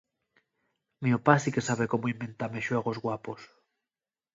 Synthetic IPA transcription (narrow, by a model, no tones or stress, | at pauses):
meopasikesaβekomoimbent̪ameʃweɣ̞ozɣwapos